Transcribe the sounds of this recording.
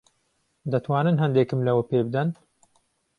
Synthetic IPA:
d̪ɐt̪ʰwaːnɨnɦɐnd̪eːkɨmlɐwɐpeːbɨd̪ɐn

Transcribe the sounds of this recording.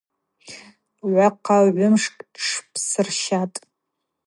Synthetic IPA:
ʕʷaqʰːaʕʷʊmʂkʼʈ͡ʂʰpʰsɨrʃatʼ

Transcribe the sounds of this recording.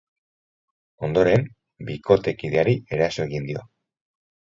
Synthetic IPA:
o̞nd̪o̞ɾe̞m | biko̞t̪e̞kiðeaɾie̞ɾaso̞e̞ɣind̪io̞̰

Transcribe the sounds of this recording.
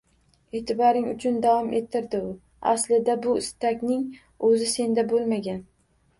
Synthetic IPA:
et̪ʰɪbɒɾɪŋʊt͡ʃʰʊnd̪avɒmʔe̞t̪ʰːɪɾd̪ɪʊ | a̰slɪd̪abʊɪst̪akʲnɪŋ | ɵzɪse̞nd̪abolˠmaɡʲan

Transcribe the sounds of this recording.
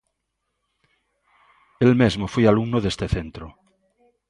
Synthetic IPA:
elmezmofwealumnoðest̪eθẽnt̪ɾo

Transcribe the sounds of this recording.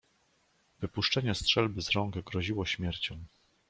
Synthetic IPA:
vɘpuʂt͡ʂɛɲɛstʂɛlbɘzɾɔŋɡɛɡɾɔʑiwɔɕmʲjɛɾt͡ɕɔ̃w̃

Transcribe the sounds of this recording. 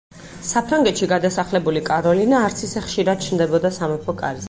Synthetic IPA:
sapʰɾaŋɡɛt̪ʃiɡad̪asaχlɛbulikʼaɾɔlinaːɾt̪sʰisɛχʃiɾad̪̥̚t͡ʃʰnd̪ɛbɔd̪asamɛpʰɔkʼa̰ɾzɛ

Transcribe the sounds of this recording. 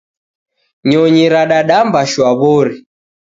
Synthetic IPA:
ɲɔɲiɾaɗaɗambaʃwaβɔɾi

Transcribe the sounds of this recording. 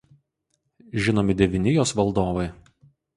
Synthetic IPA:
ʒʲɪnoːmʲɪd̪ʲɛʋʲɪnʲɪjoːsʋɐlˠd̪oːʋɐɪ

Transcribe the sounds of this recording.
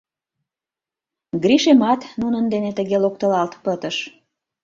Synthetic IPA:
ɡɾiʃemɑt̪nunənd̪enet̪əɣelok̚t̪əlɑlt̪pət̪əʃ

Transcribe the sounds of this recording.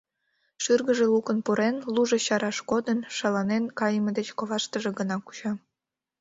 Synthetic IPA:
ʃyrɣəʒelukənpuɾenluʒeɕɑɾɑʃkod̪ənʃɑlɑnenkɑjəməd̪et͡ɕkoβɑʃt̪əʒeɡənɑku̥t͡ɕɑ

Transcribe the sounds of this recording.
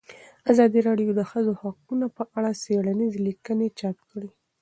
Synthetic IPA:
azɑd̪iɾɑɖijod̪əxəzohaq̚unapəʔaɽaseɽanizelikənet͡ʃap̚kɽi

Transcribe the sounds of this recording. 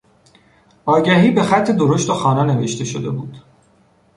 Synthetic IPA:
ɒːɟæɦiːbe̞xæt̪ʰːe̞d̪oɾo̞ʃt̪oxɒːnæneve̞ʃt̪ʰe̞ʃod̪e̞buːd̪̥

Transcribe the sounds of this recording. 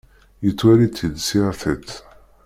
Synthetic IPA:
jət͡sːwæɾit͡sːid̪siʁθət͡sː

